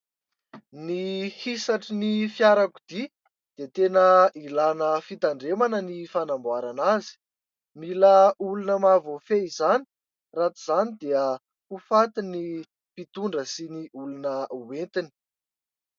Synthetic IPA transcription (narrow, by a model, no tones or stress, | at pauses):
nihisaʈ͡ʂinifjaɾaku̥d̪̥i | d̪̥et̪enəilanəfit̪aɳɖ͡ʐemanənifanambuaɾanazi̥ | miləulunəmavofeizani̥ | rat̪iz̥anid̪eə | ufat̪ini | pit̪uɳɖ͡ʐəsiniʔulunəuwent̪ini̥